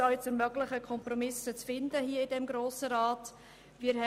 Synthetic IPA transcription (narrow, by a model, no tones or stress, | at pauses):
ɔɛt͡sɛɾmœɡlɪχəkʰɔmpɾɔmɪsət͡sfɪndəhiːəɪdɛmɡɾoːsəɾaːt | viːɾhɛ